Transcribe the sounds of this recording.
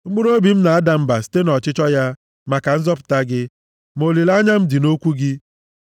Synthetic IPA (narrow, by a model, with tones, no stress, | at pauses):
ɡ͡bu˦ɾo˦bi˨m̩˦na˨a˦da˨m̩˦ba˨si̥˨te˦nɔ˨t͡ʃɪ˦t͡ʃɔ˦ja˦ | ma˨ka˨n̩˦zɔ˦pʊ̥˨ta˦ɡɪ˦ | mo˨li˨la˦ɲa˦m̩˦dɪ˨no˦kʷu˦ɡɪ˦